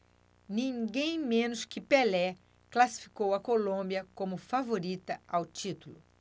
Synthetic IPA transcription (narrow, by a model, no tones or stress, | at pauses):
nĩɡẽj̃mẽnʊskɪpelɛ | klasi̥fi̥kowɐkolõbiɐkõmʊfavoɾit̪ɐawt͡ʃit̪ulʊ